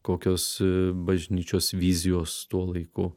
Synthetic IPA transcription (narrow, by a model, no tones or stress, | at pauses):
koːkʲoːsbɐʒʲnʲiːt͡ʃʲoːsʋʲizʲɪjoːst̪uɔlˠɐɪkʊ